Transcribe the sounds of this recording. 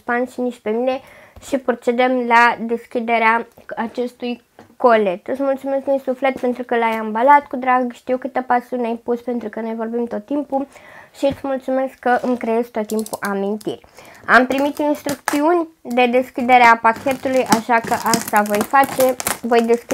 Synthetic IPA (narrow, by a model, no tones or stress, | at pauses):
panʃiniʃ̚pe̞mine̞ | ʃipɾot͡ʃe̞d̪emlad̪e̞skʲid̪e̞ɾeaat͡ʃe̞st̪uj | ko̞le̞t̪ɨt̪smult̪sume̞sknujsufle̞t̪̚pe̞nt̪ɾukəlajambalat̪kud̪ɾaɡʃt̪iuwkɨt̪epasiunajpuspe̞nt̪ɾukəno̞jvo̞rbimt̪o̞t̪ːimpuʃiɨt̪smult̪sume̞skkːəʔɨŋkɾejezt̪o̞t̪ːimpuʔamint̪ḭrʲampɾimit̪inst̪ɾuk̚t̪siunʲd̪e̞d̪e̞skʲid̪e̞ɾeapakʲe̞t̪ulujʔaʃakəʔast̪avo̞jfat͡ʃe̞vo̞jd̪e̞sk